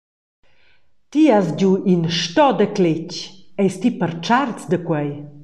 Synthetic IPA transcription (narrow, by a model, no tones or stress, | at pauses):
t̪iasɟuʔinʃtɔdəklecɛjst̪ipəɾt͡ʃartt͡sd̪əkwɛj